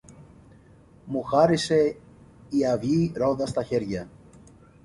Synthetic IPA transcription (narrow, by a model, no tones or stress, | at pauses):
muxɐɾise̞ | iɐvʝiɾo̞ðɐst̪ɐçe̞ɾʝɐ